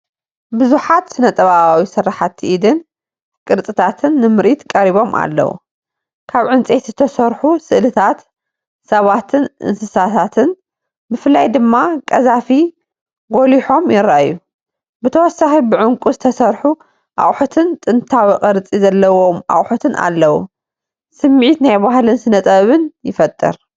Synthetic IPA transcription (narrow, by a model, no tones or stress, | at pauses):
bɨzuħat̪sɨnɐt̪ʼɐβaβawisɨrːaħat̪ʰːiʔid̪ɨn | kʼɨɾt͡sʼɨt̪ʰat̪ʰɨnːɨmɨɾʔit̪kʼɐɾiβo̞mʔa̰lːɐ̰wṵ | kʰaβʕɨnt͡sʼet̪zɨt̪ʰɐsɐɾħusɨʔlɨt̪ʰat̪ | sɐβat̪ʰɨnʔɨ̰nsɨsat̪ʰat̪ʰɨn | bɨfɨlːajd̪ɨmːakʼɐzafi | ɡoliħo̞mjɪɾːajːu | bɨt̪ʰɐwɔsːaxibɨʕʊŋkʼuzɨt̪ʰɐsɐɾħu | ʔa̰χʼħut̪ʰɨnt̪ʼɨnt̪ʰawiqʼɐɾɨt͡sʼizɐlːɐwomʔa̰χʼħut̪ʰɨnʔa̰lːɐwṵ | sɨmːʕit̪najbaɦlɨnsɨnɐt̪ʼɐβɨnjɪfɐt̪ʼːɨ̰ɾ